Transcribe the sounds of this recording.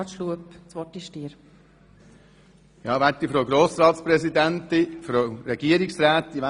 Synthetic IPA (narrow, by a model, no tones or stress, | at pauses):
tʃluəpt͡sʋɔtiʃtiːəɾ | jɑːʋætifɾoɡɾoːsɾɑːt̪spɾɛsid̪ænt̪ifɾoɾɛɡ̥iəɾiksɾæːt̪ːiʋæ